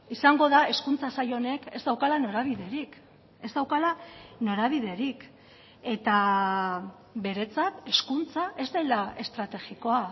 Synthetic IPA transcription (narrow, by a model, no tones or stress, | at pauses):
isaŋɡo̞ðae̞skunt͡sasajo̞ne̞ke̞zd̪awkalano̞ɾaβ̞iðe̞ɾik | e̞zd̪awkalano̞ɾaβ̞iðe̞ɾik | e̞t̪a | be̞ɾe̞t͡sat̪e̞skunt͡saʔe̞zd̪elae̞st̪ɾat̪e̞ɣiko̞a